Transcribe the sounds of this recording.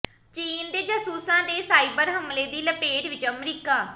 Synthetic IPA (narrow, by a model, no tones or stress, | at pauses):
t͡ʃiːnd̪eːd͡ʒəsuːsãːd̪eːsaːiːbəɾɦəmleːd̪iːləpeːɖʋɪt͡ʃəmɾiːkaː